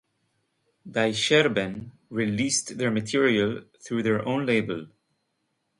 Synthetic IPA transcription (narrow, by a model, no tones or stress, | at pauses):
ðajʃɛɹbɨ̃n | ɹilistðəɹmətʰiɹiəlˠθɹuðəɹʔõʊ̃nleɪbəlˠ